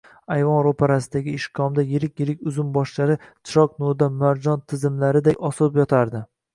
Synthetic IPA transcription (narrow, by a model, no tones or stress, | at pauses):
ajvɒnɾopʰaɾasɪd̪aɡʲɪɪʃkʰɒmd̪ajɪɾɪkʲjɪɾɪkʲʊzʊmbɒʃlaɾɪt͡ʃʰɪ̥ɾɒqnʊd̪amaɾd͡ʒɒnt̪ʰɪzɪmlaɾɪd̪ajɒsɒlɪpjɒt̪ʰaɾd̪ɪ